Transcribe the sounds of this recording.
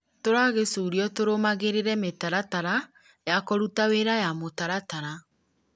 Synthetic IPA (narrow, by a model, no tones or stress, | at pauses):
toɾaɣesuːɾiɔtoɾomaɣeɾeɾɛmetaɾataɾa | jakoɾutaweɾajamotaɾataɾa